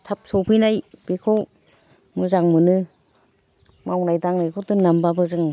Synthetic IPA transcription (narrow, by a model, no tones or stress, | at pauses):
tʰap̚sɔwpʰɯjnajb̥ekʰaw | mɯzaŋmɯnɯ | mawnajdaŋnajkʰɯwdɯnnambabɯzɯŋ